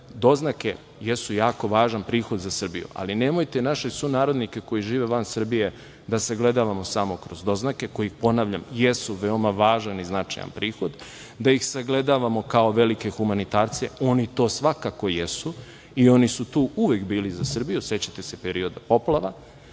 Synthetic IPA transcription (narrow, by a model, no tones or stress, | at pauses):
d̪o̞znake̞ | jesujaːko̞ʋaːʒanpɾiːxod̪zasr̩bḭjṵʔa̰linemojt̪e̞naʃesunaːɾod̪nike̞ko̞jiʒiːʋeʋansr̩bije̞ | d̪asaɡled̪aʋamo̞samo̞kɾo̞zd̪o̞znake̞kojiixpo̞naːʋʎamjesuʋeomaʋaːʒaniznat͡ʂa̰ja̰npɾiːxo̞d̪ | d̪ajixsaɡle̞d̪aʋamo̞kao̞ʋe̞like̞xumanit̪aːɾt̪se̞o̞nit̪o̞ːsʋakako̞jesu | io̞nisut̪uːuʋekbiːlizasr̩bijuse̞t͡ɕat̪e̞se̞peɾio̞d̪apo̞plˠaʋa